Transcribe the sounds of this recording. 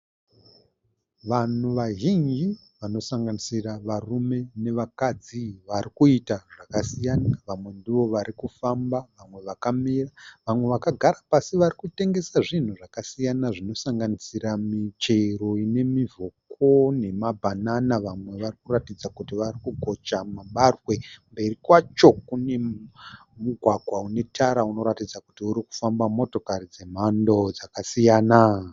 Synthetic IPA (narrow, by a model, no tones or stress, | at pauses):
ʋan̤uʋaɦiŋɡi | ʋano̞saŋɡanisiraʋarume̞ne̞ʋakad͡ziʋarikuitaʐakasijanaʋamwe̞ndiʋo̞ʋaɾikufambaʋamwe̞ʋakamiraʋamwe̞ʋakaɡʱaɾapasiʋarikute̞ŋɡe̞saʐin̤uʐakasijanaʐino̞saŋɡanisiɾamit͡ʃe̞ɾo̞ine̞mivʱoko̞ne̞mabʱananaʋamwe̞ʋarikuratid͡zakutiʋarikuɡʱo̞t͡ʃamaɓarwe̞mbe̞rikwat͡ʃo̞kune̞ | muɡʱwaɡʱwaune̞tʰaɾauno̞ɾatid͡zakutiuɾiku̥fambamo̞to̞karid͡ze̞m̤ando̞d͡zakasijaːna